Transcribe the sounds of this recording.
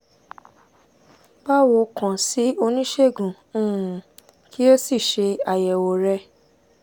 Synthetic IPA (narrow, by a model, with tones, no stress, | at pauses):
ba˦wo˧kã˨si˨˦o˧nĩ˦ʃe˦˨ɡũ˨˦˨ | kʰi˦o˦si˦˨ʃe˧a˨jɛ˨wo˧ɾɛ˦˧